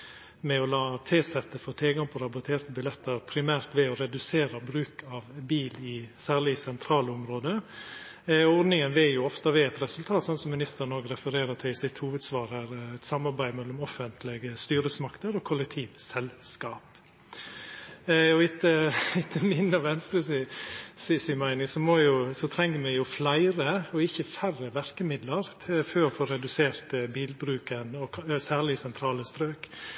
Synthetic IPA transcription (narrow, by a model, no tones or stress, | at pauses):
mɛɔlɑːt̪ʰeːsɛt̪ːəfoːt̪ʰɪlɡɑŋpʰɔɾɑbʊt̪ʰeːɾt̪əbɪlɛt̪ːəɾpʰɾɪmæːɾt̪ʋɛɔɾɛd̪ʉseːɾəbɾʉːkʰɑʋbiːlɪsæːɾlɪsɛnt̪ʰɾɑːləʊmɾoːd̪ə | ɔd̪nɪŋənʋɛjʊɔft̪ɑʋɛːɛt̪ɾɛsʉlt̪ʰɑːt̪sɔnsɔmɪnɪst̪əɾnɔːɡɾɛfəɾeːɾət̪ʰɪlsɪt̪huːʋəd̪sʋɑːɾəɾɛt̪sɑmɑɾbæɪmɛlːɔmɔfənt̪ʰlɪɡəst̪yːɾəsmɑkt̪əɾɔkʰɔlːɛk̚t̪ʰiːʋsɛlskɑːp | ɔɪt̪ːəɪt̪ʰːəmɪnːɑʋɛnst̪ɾəsɪsɪsɪmæɪnɪŋsɔmɔjʊsɔt̪ʰɾɛŋːəmɛjʊflæɪɾəɔɪçːəfærəʋæɾkəmɪd̪ləɾt̪ʰɪføːɔfoːɾɛd̪ʉseːɾt̪biːlbɾʉːkənɔsæːɾɭɪsɛnt̪ʰɾɑːləst̪ɾøːk